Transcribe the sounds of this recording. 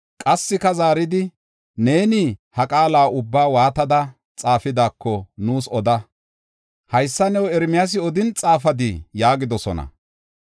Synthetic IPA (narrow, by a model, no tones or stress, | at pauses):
kʼɐsːɪkɐzaːɾɪd̪ɪ | ne̞ːnihɐkʼaːlaːʊbːaːwaːt̪ɐd̪ɐ | t͡sʼaːfɪd̪aːkːɔnuːsɔd̪ɐ | hɐjsːɐnɛwɛɾmɪjas̬ɪɔd̪ɪnt͡sʼaːfɐd̪ɪjaːɡɪd̪ɔsɔnɐ̰